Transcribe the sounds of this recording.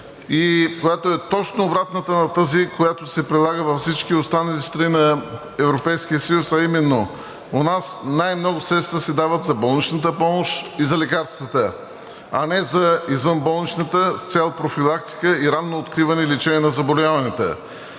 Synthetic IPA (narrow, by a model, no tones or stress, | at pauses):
ikojat̪oɛt̪ɔt͡ʃnoːbɾat̪nət̪ənɐt̪əzikojat̪osɛpɾilˠaɡəvɐfsit͡ʃkiost̪anɐlist̪ɾɐninɐ | ɛvɾopɛjskijəsəjusɐimɛnːo | onasnajmnɔɡʊsɾɛt̪st̪vəsɛd̪avət̪zɐbɔlˠnit͡ʃnət̪̬əpɔmoʃizɐlɛkaɾst̪vət̪ə | ɐnɛzɐizvənbɔlˠnit͡ʃnət̪əst̪sʲɛlˠpɾofilˠak̚t̪i̥kəiɾanːoːt̪kɾivɐnɛilit͡ʃɛnɛnɐzɐbolʲavɐnɛt̪ə̰